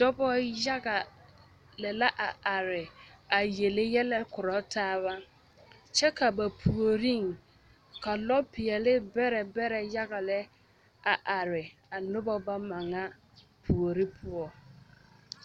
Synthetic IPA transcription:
d̥ɔ˦bɔ˦ja˦ɡa˨ | lɛ˨la˦ʔa˨a˨ɾɪ˨a˨je˨lɪ˦jɛ˦lɛ˦kʊ˨ɾɔ˨˦taː˦βa˦ | t͡ʃɛ˦ka˨ba˨pʰu˨o˨ɾi˦ŋ | ka˨lɔ˦pɪ˨ɛ˨lɪ˦bɛ˦ɾɛ˨bɛ˦ɾɛ˨ja˦ɣa˨lɛ˦ | a˨ʔa˨ɾɪ˨a˨nʊ˦bɔ˦ba˦ma˨ŋa˦ | pʰu˨o˨ɾɪ˦pʰʊ˦ɔ˨

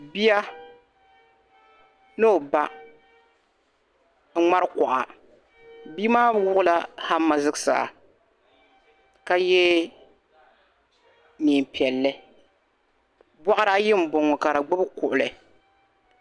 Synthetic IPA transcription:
bi˦ja˦ | nɨ˦o˨ba˦ | ŋ͡ma˦ɾɨ˦ka˨ʔa̰˨ | bi˦maː˦wʊ˦ʔʊ˦la˦ha˦mːa˨zɨ˦ɡsa̰˨ | ka˦jɛ˦ | ni˨m˨pi˨ɛ˨lːɨ˦ | bɔ˦ʔa˦ɾa˦jɪ˦m̩˦bo˨ŋːɔ˨ka˨ɾa˨ɡ͡bʊ˦bɨ˦kʊ˨ʔʊ˨lɨ˨

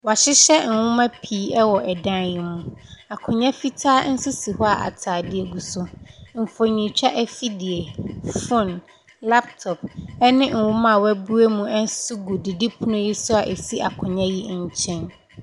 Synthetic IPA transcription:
wa˨ɕɪ˦ɕɛ˦n̩˨wʊ̃˦mã˦pʰiː˦ɛ˦wɔ˨ʔɛ˨dã˦nji˦mũ˦a˨kʰʊ̃˨ɲã˦fi˦tʰaː˦n̩˦sʊ˦si˨hɔ˦a˨ʔa̰˨tʰaː˨dɪ˦ɛ˦ɡu˨sʊ˦m̩˨fo˨ɲĩ˨t͡ɕᶣa˦ʔɛ˦fi˦dɪ˨e˨fɔ˦˨n | la˦p̚tʰɔ˨p̚ɛ˦nɪ̃˦ŋ̩˨wʊ̃˦mã˦˨wɛ˦bu˦e˦mũ˦ɛ˦n˦sʊ˦ɡu˨dɪ˨di˦pʰʊ˦nʊ̃˦ji˦sʊ˦a˨ʔe˨si˦ʔa˨kʰʊ̃˨ɲã˦ji˦ɲ̩˦t͡ɕʰɛ̃˦n

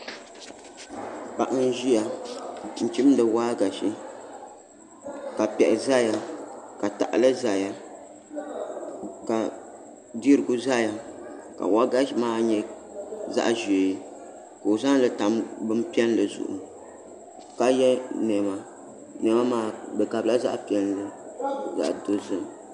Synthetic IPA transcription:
pa˨ʔa˦n˦ʒi˦ja˨ | n̩˨t͡ʃi˦m˦dɨ˨waː˦ɡa˨ʃi˦ | ka˨pɛ˨ʔɪ˨za˦ja˨ka˨ta̰˨ʔlɨ˦za˨ja˦ | ka˨ | di˦ɾɨ˨ɡu˦za˦ja˨ | ka̰˨wa˦ɡa˦ʃi˦maː˦ɲɛ˦ | za̰˦ʔʒe˨˦ | ko˨za˦n˦lɨ˦ta˨mbɨ˦m˦pi˦ɛ˦n˦lɨ˨zʊ̰˨ʔṵ˨ | ka˦jɛ˦nɛ˨ma˨ | nɛ˨ma˦maː˨˦bɨ˨ka˨bla˦za̰˦ʔpi˨˦ɛ˦nlɨ˦za̰˨ʔdo˦zɨ˨m

